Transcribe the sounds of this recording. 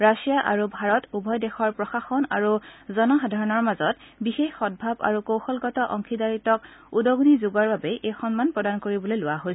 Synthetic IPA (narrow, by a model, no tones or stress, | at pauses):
ɹasijaʔaɹubʱaɹɔtubʱɔjdɛxɔɹpɹɔxaxɔna̰ɹuzɔnɔxadʱaɹɔnɔɹmazɔt̚ | bixexxɔd̚bʱaba̰ɹukowxɔlɡɔtɔʔɔŋkʰidaɹitɔk | udɔɡnizuɡaɹbabɛʔejxɔnmanpɹɔdankoɹibɔlojlʊwaɦojs